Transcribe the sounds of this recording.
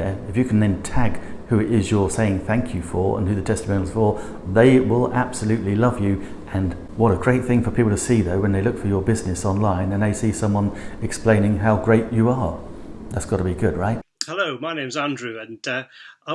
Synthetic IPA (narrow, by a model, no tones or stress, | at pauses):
ɨfjɨkʰn̩ɨ̃ntʰæɡ | hʉɨɾɪzjə˞seɪɪ̃ŋθæ̃ŋkʰjɨfə˞ə̰̃nhʉðɨtʰɛstəmõʊ̃nl̩ˠz̥fə˞ | ðeɪwɪlˠæb̥səlʉtˡlilʌvjʉ | ʔɨ̃n | wʌɾəɡɹeɪt̪̚θɪ̃ŋfə˞pʰipl̩ˠtʰɨsiðoʊwə̃nðeɪlʊkfə˞jə˞bɪznɨsɑ̃nlãɪ̃nɨ̃nðeɪsisʌ̃mwʌ̃nɨksplẽɪ̃nɪ̃ŋɦaʊɡɹeɪt͡ʃɨə˞ðætsɡ̥ɑɾəbiɡʊd̚ɹaɪt̚hɛloʊmaɪnẽɪ̃mzæ̃ndɹʉə̃nʌaɪ